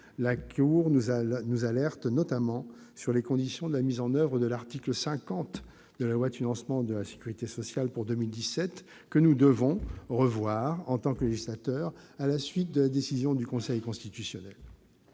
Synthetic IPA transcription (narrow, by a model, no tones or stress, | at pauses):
lakʰuʁnnuzalɛʁt̪nɔt̪amɑ̃ | syʁlekɔ̃d̪isjɔ̃d̪əlamizɑ̃nœvʁəd̪əlaʁt̪ikləsɛ̃kɑ̃t̪ | d̪əlalwad̪finɑ̃smɑ̃d̪əlase̥kʲyʁit̪esɔsjalpuʁd̪əmild̪isɛt̪ | kənud̪əvɔ̃ʁəvwaʁɑ̃t̪ɑ̃kleʒislat̪œʁalasɥit̪̚d̪əlad̪esizjɔ̃d̪ykɔ̃sɛjkɔ̃st̪it̪ysjɔnɛl